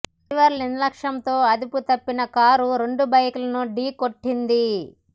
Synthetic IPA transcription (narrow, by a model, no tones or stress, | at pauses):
ʋɐɾlinlɐkʂɐmt̪o̞ːɐd̪iput̪ɐpːinɐkaːɾuɾe̞ɳɖubɐjkulɐnuɖiːkoʈːind̪i